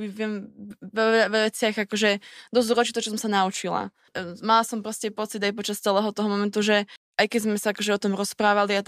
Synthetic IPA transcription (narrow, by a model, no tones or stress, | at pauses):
iʋɪɛmʋɛaʋʋɛt͡sɪaɣakɔʒɛd̪ɔzd̪ɾɔt͡ʃit̪ɔt͡ʃɔs̬ɔmsanaut͡ʃila̰ | malasɔmpɾɔscɛpɔt͡sid̪ajpɔt͡ʃast͡sɛlɛɦɔt̪ɔɦɔmɔmɛnt̪uʒɛ | ʔajkɛzmɛsaakɔʒɛɔt̪ɔmɾɔspɾaːʋaliat̪